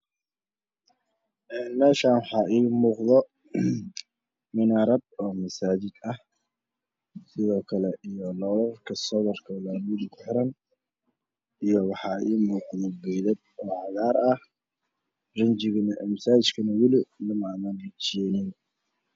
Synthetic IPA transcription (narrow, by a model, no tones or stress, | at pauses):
ʔɛːnmɛːʃaːnwɑħɑːʔiːmuːqðɔ | mɪnaːɾɐb̚ɔːmɐsaːt͡ʃɪd̪ɐh | sɪðɔːkʰɐlɛʔijɔlɔːlɐrkʰɐsɔβɔrkʰɐlaːmɪðkʰʊħɪɾɐn | ʔijɔwɑħɑːiːmuːqðɔbɛjðɐd̪̚ | ɔːʕɑðaːɾɐh | rɪɲt͡ʃɪɣɐnɐʔɛːmɐsaːɪt͡ʃkʰɐnɐwɪlɪnɐmamanɐt͡ʃɛːnɪn